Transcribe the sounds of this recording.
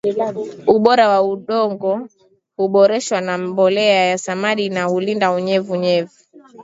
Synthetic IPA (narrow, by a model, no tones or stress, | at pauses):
uɓɔɾawauɗɔŋɡɔ | huɓɔɾɛʃwanambɔlɛajasamaɗinahulindauɲɛvuɲɛvu